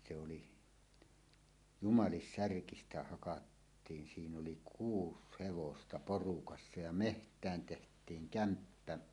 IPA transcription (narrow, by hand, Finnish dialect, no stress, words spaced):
se oli jumɑlisːærkistæ hɑkɑtːiːn siːn oli kuːs heʋostɑ porukɑsːɑ jɑ mehtˑæːn tehtˑiːŋ kæmpːæ